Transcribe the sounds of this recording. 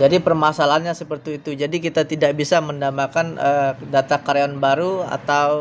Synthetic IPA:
d͡ʒadipərmasalaɦanɲasəpərt̪iːt̪ud͡ʒadikit̪at̪idak̚bisaməndamakanʔədat̪akaɾeɔnbaɾua̰t̪aw

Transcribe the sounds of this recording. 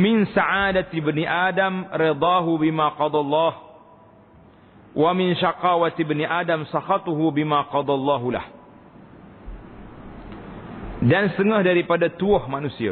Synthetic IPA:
mɪnsaʔaːdat̪ibəniʔaːdamɾɪd̪ˤɑːɦubimãqɑd̪ˤɑlˤːɑːh | wʔamɪnʃaqɑːwat̪ibniʔaːdamsaxɑt̪uɦubimaqɑd̪ˤɑlˤːɑːɦula̰h | dansə̥t̪əŋəhdaɾipadat̪uɔhmanusia̰

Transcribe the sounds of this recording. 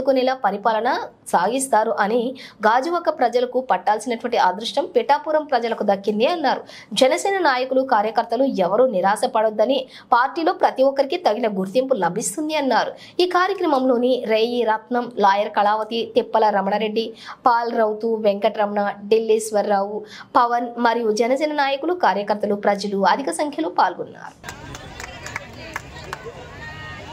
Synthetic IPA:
ukunelaːpɐɾipaːlɐnɐ | saːɡist̪aːɾuʔɐniɡaːd͡ʒuʋɐkɐpɾɐd͡ʒɐlɐkupɐʈːaːlsinɐʈuʋɐɳʈiaːd̪ɾuʂʈɐmpiʈaːpuːɾɐmpɾɐd͡ʒɐlɐkud̪ɐkːind̪iɐnːaːɾu | d͡ʒɛnɐsɛːnɐnaːjɐkulukaːɾjɐkɐɾt̪ːɐluɛʋɐɾuniɾaːsɐpɐɽod̪ːɐni | paːɾʈiːlo̞ːpɾɐt̪iɔkːɐɾikit̪ɐɡinɐɡuɾt̪impulɐbʱist̪und̪iɐnːaːɾu | iːkaːɾjɐkɾɐmɐmlo̞ːniɾeːjiɾɐt̪nɐmlaːjɐɾkɐɭaːʋɐt̪it̪ipːɐlɐɾɐmɐɳɐɾe̞ɖːipaːlɾɐwt̪uʋeŋkɐʈɾɐmɐɳɐɖilːisʋɐɾːaːwupɐʋɐnmɐɾijud͡ʒɛnɐsɛːnɐnaːjɐkulukaːɾjɐkɐɾt̪ːɐlupɾɐd͡ʒɐluɐd̪ʱikɐsɐŋkʰjɐloːpaːlɡunːa̰ːɾu

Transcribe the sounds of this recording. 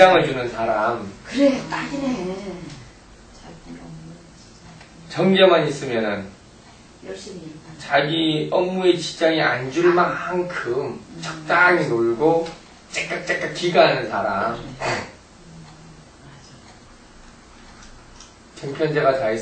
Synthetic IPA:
aŋɯɭt͡ɕunɯnsʰaɾamkɯɾet͈ain | t͡ɕʌŋd͡ʑʌmaɲis͈ɯmjʌnɯn | t͡ɕaɡiʌmːuet͡ɕi̥t͡ɕ͈aŋiand͡ʑuɭmakːŋkʰɯmt͡ɕʌk̚t͈aŋinoɭɡo | t͡ɕ͈ek̚k͈ak̚t͡ɕ͈ek͈̚at̚k͈iɡaɦanɯnsʰaɾam | t͡ɕʌŋpʰjʌnd͡ʑeɡat͡ɕai

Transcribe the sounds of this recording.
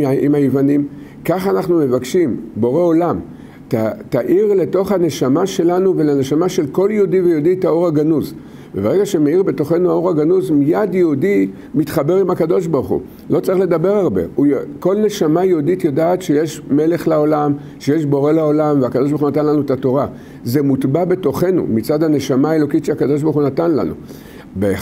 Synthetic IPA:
imhajivanim | kaχanaχnume̞vakʃimbo̞ʁe̞o̞lam | tataʔiʁle̞to̞χhane̞ʃamaʃe̞lanuve̞lene̞ʃamaʃe̞lko̞ljeudivejeuditao̞ʁaɡanuz | vebeʁe̞ɡaʃe̞meiʁbe̞to̞χe̞nuao̞ʁaɡanuzmijadjeudi | mitχabe̞ʁimhakado̞ʃ̬baʁχṵ | lo̞t͡saʁiχle̞dabe̞ʁaʁbe̞̰ujko̞lne̞ʃamajeuditjodaːt̪ʃejeʃme̞le̞χlao̞lam | ʃeje̞ʃbo̞ʁe̞lao̞lamveakadoʃ̬baʁχunat̪̬anlanuetato̞ʁa | ze̞mutbabe̞to̞χe̞nṵmit͡sadhane̞ʃamaːe̞lo̞kitʃeakado̞ʃ̬baʁχunatanla̰nṵ | be

